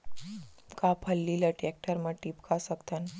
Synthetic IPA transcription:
kapʰəlːiləʈɾɛk̚ʈəɾməʈiːpkʰasəkt̪an

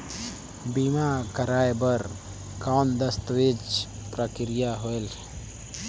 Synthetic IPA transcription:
bimakəɾaːebəɾ | kaːnd̪əst̪wed͡ʒpɾəkɪɾijaɦoel

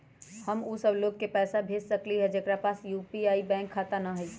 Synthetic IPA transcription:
həmusəbloːɡkepɛːsabʱeːd͡ʒsəkliɦɛd͡ʒekɾapaːsjuːpiaːibɛ̃ːŋkʰːat̪anaɦəit͡ʃʰ

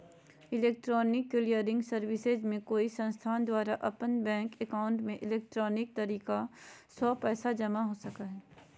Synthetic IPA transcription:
ɪleːk̚ʈɾɔːnɪkːɪlijəɾɪ̃ŋɡsɐɾwɪsezmẽkoːisɐ̃nst̪ʰaːnd̪waːɾaʔɐpənbɛ̃ːŋkɛkaːʊ̃ɳʈmẽʔɪleːk̚ʈɾɔːnɪk̚t̪ɐɾiːkasɔːpɛːsad͡ʒɐmaɦosɐkaɦɛː

